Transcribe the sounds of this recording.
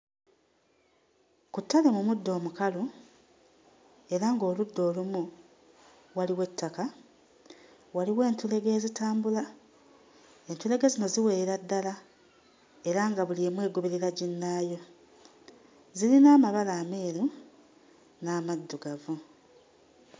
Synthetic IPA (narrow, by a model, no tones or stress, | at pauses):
kutːale̞mumudːo̞ːmukalu | e̞ɾaŋɡo̞ːludːo̞ːlumu | waliwe̞tːaka | waliwe̞ːntule̞ɡe̞ːzitaːmbula | e̞ntule̞ɡezino̞ziwe̞ɾadːala | e̞ɾaŋɡaβuliemwe̞ːɡoβeɾiɾaɟinːaːjo̞ | zilinaːmaβalaːme̞ːɾu | naːmad̪ːuɡavu